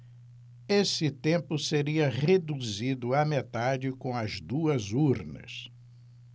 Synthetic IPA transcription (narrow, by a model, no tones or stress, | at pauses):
esɪt̪ẽmpʊseɾiɐʁed̪uzid̪ʊɐmet̪ad͡ʒɪkõw̃ɐzd̪uɐzuɾnɐ̰s